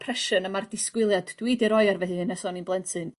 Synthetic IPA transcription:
pʰrɛʃənəmardɪskwɪlˠjadd̥widiɾɔjarvɛðɨɨnɛsɔninblˠɛntʰɨn

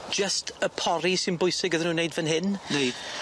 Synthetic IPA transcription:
d͡ʒəstʰəpʰɔɾisɪnbʊjsɪɡəðənuːnejdvənɦɪnnejd̥

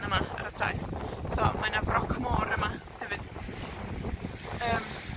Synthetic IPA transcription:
nəmaa̰ɾətʰra̰jθsɔmanavrɔkʰmoːɾəma | hɛvɨd̥ | əːm

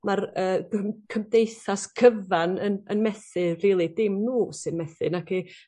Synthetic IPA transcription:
marəːəmkʰəmdejθaskʰəvanənənmɛθɨriːlˠidɪmnuːsɨnmɛθɨnaki

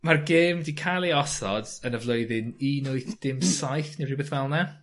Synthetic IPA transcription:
marɡeːmdikʰajlˠeɔsɔdənəvlˠoɨðɪninʊɨθd̥ɪmsajθneribəθvɛlˠna

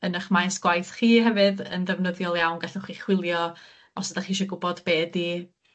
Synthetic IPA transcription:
ənəχmajsɡ̥wajθχiːɦɛvɨðə̰nðɛvnəðjɔlˠjawnɡaɬɔχiːχwɪlˠjɔ | ɔsədaχiːʃ̬ɔɡʊbɔdbeːdi

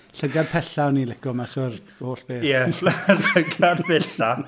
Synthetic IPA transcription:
ɬəɡad̚pʰɛɬaɔniːlˠɪkɔmasɔːr | hoːɬb̥eːjɛɬəɡadpʰɛɬa

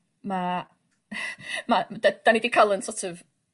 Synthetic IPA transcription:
ma | madad̥anidikʰalˠənsɔtʰɔv

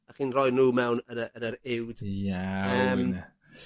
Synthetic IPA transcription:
aχiːnrɔjnuːmɛwnənəənəɾɪwd̥jaəːma

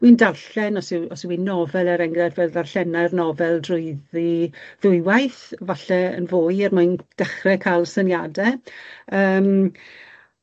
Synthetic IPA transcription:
windarɬɛnɔsɪwɔswinɔvɛlˠɛɾɛŋrɛdvɛlˠdarɬɛnajrnɔvɛlˠdrʊɨðiðʊɨwajθvaɬɛə̰nvoːɨɛrmʊɨnd̥ɛχrɛkʰalˠsənjadɛ | əːm

